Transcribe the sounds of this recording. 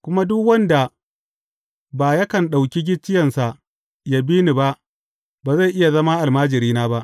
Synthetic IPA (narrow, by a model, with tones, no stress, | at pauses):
kʷʊ˦ma˦dʊ˦kwɐ˦nda˨ | baː˨ja˦kɐ˨nɗa˨wkʲi˦ɡʲɪ˦t͡ʃːɪ˦jɐ˨nsa˨ʔ | ja˨biː˦ni˨ba˦ʔ | baː˨za˦˨jʔɪ˦ja˨zɐ˦maː˦ʔa˨lmaː˦d͡ʒɪ˨ɾiː˦naː˦ba˦ʔ